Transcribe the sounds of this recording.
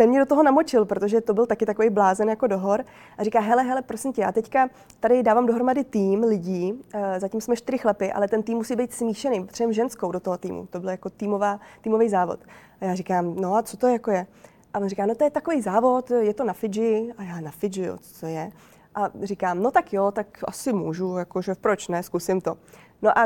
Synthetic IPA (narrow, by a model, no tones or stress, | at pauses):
sɛnmɲɛdo̞t̪oɦonamo̞t͡ʃɪlpɾot̪oʒɛt̪o̞bɪlt̪akɪt̪akovejblaːzɛnjako̞do̞ɦo̞ɾ | ʔaɾ̝ikaːɦɛlɛɦɛlɛpɾo̞sɪmcɛjaːt̪ɛcka | t̪adɪdaːvaːmdo̞ɦɾomadɪt̪iːmlɪɟiːzacimsmɛʃt̪ɪɾɪxlapɪʔa̰lɛt̪ɛnt̪iːmːusiːbɛjt̪smiːʃɛnejt̪r̥ɛmʒɛnskowdo̞t̪oɦot̪ḭːmṵt̪o̞bɪljako̞t̪iːmovaːt̪iːmo̞vejzaːvo̰t̪ʔajaːrɪkaːmno̞at͡sot̪o̞jakojɛ | ʔaonrikaːno̞t̪ojɛt̪akovejzaːvo̞t̪jɛt̪o̞nafɪd͡ʒɪajaːnafɪd͡ʒɪjo̰t͡so̥t̪ojɛ | ʔarɪkaːmno̞t̪akjot̪akʔa̰sɪmuːʒujakoʒɛpɾot͡ʃnɛskusɪmt̪o̞ | noʔa